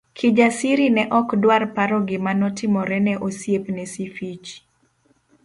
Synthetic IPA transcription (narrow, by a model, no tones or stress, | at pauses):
kʰid͡ʒasiɾinɛʔɔkdwarpaɾɔɡɪmanɔtɪmɔɾɛnɛʔosjepnɛsifit͡ʃ